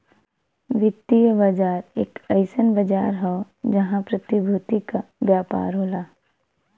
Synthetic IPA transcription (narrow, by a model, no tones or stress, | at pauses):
ʋɪt̪ːijəbad͡ʒaːɾḛːkɐɪsənbɐd͡ʒaːɾɦɔ | d͡ʒɐɦãpɾɐt̪ibʱuːt̪ikabjaːpa̰ːɾɦoːlaː